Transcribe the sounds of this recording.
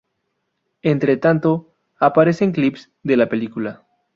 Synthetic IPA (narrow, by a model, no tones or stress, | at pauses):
ent̪ɾe̞t̪ant̪o̞ | apaɾe̞se̞ŋklips | ðe̞lape̞likula